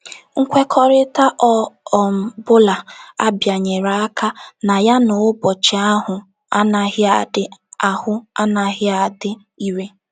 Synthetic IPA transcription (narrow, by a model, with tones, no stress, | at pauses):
ŋ̩˦kʷe˦kʰɔ˦ɾɪ˦ta˦ʔɔ˦˨m̩˨bʊ˦la˨a̰˦bja˨ɲe˨ɾa˨a˦ka˦na˨ja˦nʊ˨ʊ˦bɔ˨t͡ʃɪ˨a˦ɦʊ˨ | a˦na˨ɦɪ˦a˨dɪ˦a˨hʊ˦a˦na˨ɦɪ˦a˨dɪ˦ | i˦ɾe˦